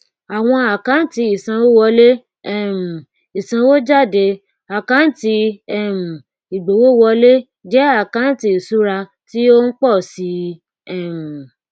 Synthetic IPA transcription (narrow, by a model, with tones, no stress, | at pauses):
a˨w̃ɔ̃˧a˨kã˨˦n̩˦ti˧i˨sã˧wo˦wɔ˧le˦ | ɛ˦˨m̩˨ | i˨sã˧wo˦d͡ʒa˦˨de˧ | a˨kã˨˦n̩˦ti˧ɛ˦˨m̩˨ | i˨ɡ͡bo˨wo˦wɔ˧le˦ | d͡ʒɛ˦a˦˨kã˨˦n̩˦ti˧˦i˨su˨˦ɾa˧ | ti˦o˦n̩˦k͡pɔ˦˨si˧˦ | ɛ˦˨m̩˨